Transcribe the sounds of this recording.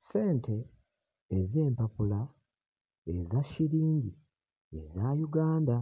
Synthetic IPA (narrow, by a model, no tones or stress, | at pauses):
se̞ːntʰe̞ː | ze̞ːmpapula | ezaʃiɾiːɲɟi | ḛzaːjuɡaːnda